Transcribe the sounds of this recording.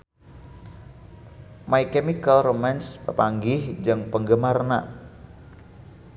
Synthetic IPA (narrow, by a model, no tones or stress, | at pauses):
maikemikalromɛnspəpaŋɡɪhd͡ʒɨŋpəŋɡəmarna̰